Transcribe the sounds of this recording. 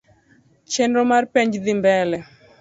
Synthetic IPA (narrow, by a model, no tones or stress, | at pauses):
t͡ʃɛndɔmaɾpɛɲd͡ʒðimbɛlɛ